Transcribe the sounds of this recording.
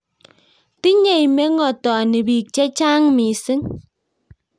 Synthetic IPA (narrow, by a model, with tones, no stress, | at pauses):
ti˦ɲe˨jme˦ŋɔ˨tɔ˨ni˨bi˨k̚t͡ʃɛ˦t͡ʃa˦ŋmi˨sɪ˦ŋ